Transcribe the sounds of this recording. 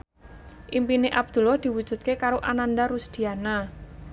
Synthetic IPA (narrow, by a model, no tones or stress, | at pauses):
ʔimpineʔab̚d̪̥ṳlɔhd̪̥i̤wud̥d͡ʒ̥ṳt̪̚kekaɾoʔanand̪aɾusd̪̥i̤ana